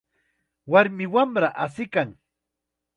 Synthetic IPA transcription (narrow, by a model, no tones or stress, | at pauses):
waɾmɪwamɾaʔasɪkaŋ